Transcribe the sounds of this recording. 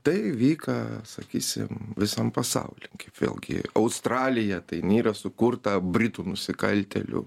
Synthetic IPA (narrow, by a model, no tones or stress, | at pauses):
t̪ɐɪʋʲiːkɐsɐ̰kʲiːsʲɪ̰mʋʲɪsɐmpɐsɐ̰ʊlʲɪŋkɐɪpʋʲḛːlˠɡʲɪ̰ɐʊst̪ɾɑːlʲɪjɛt̪ɐɪnʲiːɾɐsʊkʊrt̪ɐbʲɾʲɪt̪unʊsʲɪkɐlʲt̪ʲɛ̰lʲʊ̰